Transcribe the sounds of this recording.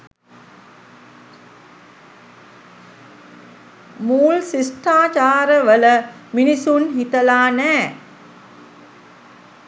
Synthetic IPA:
muːlsisʈaːt͡ʃaːɾəʋələminisunɦit̪əlaːnæː

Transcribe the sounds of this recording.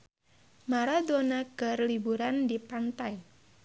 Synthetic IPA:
maɾadonaɡərlibuɾandipant̪aj

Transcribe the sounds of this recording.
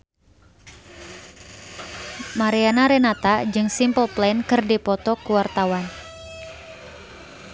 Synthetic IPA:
maɾianaɾɛnat̪ad͡ʒɨŋsimpəlplankɨrdipɔt̪ɔkuwart̪awan

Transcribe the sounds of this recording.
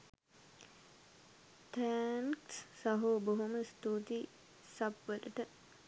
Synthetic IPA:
tæŋksːaɦoːboɦoməst̪uːt̪i | sapʋələʈə

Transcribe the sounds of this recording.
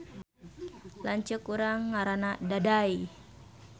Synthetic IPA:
laɲt͡ʃukuɾaŋːaɾanadadaj

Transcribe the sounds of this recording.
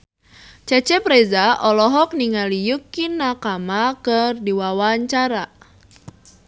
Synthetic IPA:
t͡ʃɛt͡ʃɛpɾezaʔɔlɔɦɔk̚niŋalijukinakamakərdiwawaɲt͡ʃaɾa

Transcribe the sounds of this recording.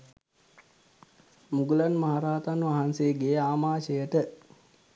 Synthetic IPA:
muɡulanmaɦaɾaːt̪anʋaɦanseːɡeːaːmaːʃəjəʈə

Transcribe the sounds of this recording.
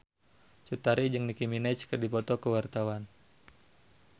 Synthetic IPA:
t͡ʃut̪aɾid͡ʒɨŋnikiminat͡ʃkərdipɔt̪ɔkəwart̪awan

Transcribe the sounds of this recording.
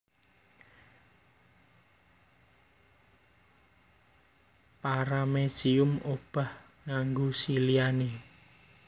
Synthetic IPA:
paɾamed̥ʒ̥iʊmob̥a̤h | ŋaŋɡosiliane

